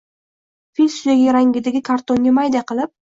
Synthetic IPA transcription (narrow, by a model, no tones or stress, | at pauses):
filʲsʊzaɡʲaɾaŋɡʲɪd̪ɪɡʲɪkʰaɾt̪oŋɡʲamajd̪aqɨlˠɪp̚